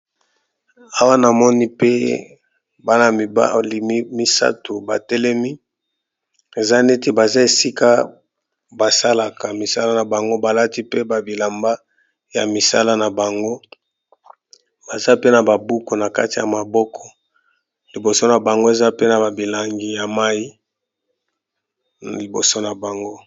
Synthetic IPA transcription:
a˦wa˦na˨mɔ˦ni˦pe˦ | ba˦na˨a̰˦li˨m˦mi˦sa̰˦tu˨ba˨tɛ˦lɛ˦mi˦ | e˨za˦ne˦ti˦ba˨za˦e˨si˦ka˦ | ba˨sa˦la˨ka˨mi˨sa˦la˦na˨ba˨ŋɡo˦ba˨la˦ti˦pe˦ba˨bi˨la˨mba˦ | ja˨mi˨sa˦la˦na˨ba˨ŋɡo˦ | ba˨za˦pe˦na˨ba˨bu˦ko˨na˨ka̰˦ti˨ja˨ma˨bɔ˦kʰɔ̥˨ | li˨bo˨so˦na˨ba˨ŋɡo˦e˨za˦pe˦na˨ba˨bi˨la˨ŋɡi˦ja˨ma˦ji˦˨ | li˨bo˨so˦na˨ba˨ŋɡo˦

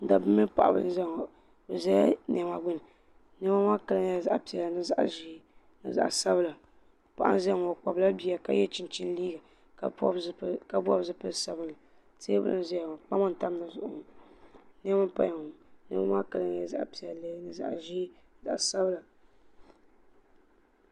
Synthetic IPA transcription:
n̩˦da̰˨bɨ˦mɨ˦pa̰˨ʔa̰˨bɨ̰˨lɨ̰˦n˦za˦˨ŋɔ˨ | bɛ˨za˦a˦n˨a˨ma˨ɡ͡bɨ˦nɨ˨ | n˦ɛ˦ma˦ma˦ka˨lɨ˦ŋ˦ja˨za˦ʔpi˨a˨la˨nɨ˦za̰˦ʔa̰˦˨ʒi˦ | nɨ̰˨za̰˨ʔsa˦bɨ˦˨la˨ | pa˨ʔa̰˦n˦zŋɔ˨k͡pa˨bla˦bi˦a˨ka̰˦jɛ˦t͡ʃi˨n˨t͡ʃi˦n˦liː˦ɡa˨ | kka˦bɔ˦bzɨ˦pɨ˦˨sa˨bɨ˨lɨ˨ | te˦bɨ̰˦lɨ̰˦m˦za˦ja˨ŋɔ˨k͡pa˦mɔ˦n˨ta˦m˦la˨zʊ˦˨ʔʊ˨ŋɔ˨ | n˦ɛ˦ma˦pa̰˦˨ŋ˨nɛ̰˦ma˦ma˦ka˨lɨ˦ŋ˦ja˨za̰˦ʔpi˨a˨llnɨ˨za̰˨ʔʒi˦ | ɨ˨za̰˨ʔa˨sa˦bɨ˦la˨

